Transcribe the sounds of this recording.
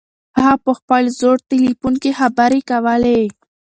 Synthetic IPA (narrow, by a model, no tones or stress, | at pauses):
aapəxpəlzoɽt̪ɪlipunkexabaɾekawəle